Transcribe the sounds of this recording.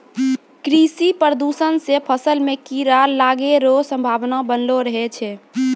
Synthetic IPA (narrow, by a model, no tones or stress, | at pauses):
kɾisipɾəd̪usənsepʰəsəlmẽkiɾallaɡeɾosə̃mbʱaːʋnabənloɾəɦɛt͡ʃʰɛ